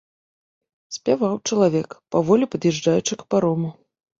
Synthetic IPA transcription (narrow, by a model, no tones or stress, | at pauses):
sʲpʲavawt͡ʂɐlˠavʲɛkpavɔlʲipɐd̪jɛʐd͡ʐajut͡ʂɨkɐ̥paɾɔmu